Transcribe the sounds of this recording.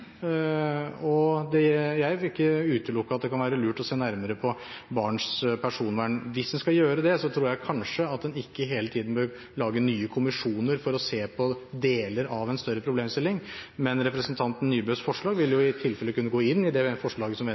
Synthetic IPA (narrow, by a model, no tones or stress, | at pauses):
ɔd̪ɛjæɪɪkːəʉːt̪əlʊkːəɾɑt̪̚d̪ɛkɑnʋæːɾəlʉːʈɔseːnæɾməɾəpʰɔ | bɑːɳspʰæʂuːnʋæːɳʋɪsd̪ɛnskɑjøːɾəd̪ɛsɔt̪ʰɾuːɾjæɪkʰɑnʂəɑt̪̚d̪ɛnɪkːəɦeːlət̪ʰiːd̪n̩bøɾ | ɭɑːɡənyːəkʰʊmɪʂuːnəɾfɔɾɔseːpʰɔd̪eːləɾɑʋɛnst̪œɾːəpʰɾʊbleːmst̪ɪlːɪŋmɛnɾɛpɾəsənt̪ʰɑnt̪n̩nyːbøːsfɔʂɭɑːɡʋɪljʊɪt̪ʰɪlfɛlːəkʰʉnːəɡoːɪnːɪd̪ɛfɔʂɭɑːɡəsɔmɛ